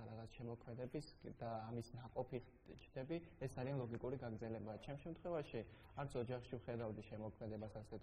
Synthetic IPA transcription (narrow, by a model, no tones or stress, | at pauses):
aɾaʁat̪sʰʃɛmɔkʰmɛd̪ɛbisd̪aːmisnaqʼɔpʰi | t͡ʃʰd̪ɛbiɛsd̪zaɾianlˠɔɡikʼuɾiɡaɡɾd̪zɛlɛbat͡ʃʰɛmʃɛmt̪ʰχwɛvaʃi | aɾt̪sʰɔd͡ʒaχʃivχɛd̪avd̪iʃɛmɔkʰmɛd̪ɛbasasɛt̪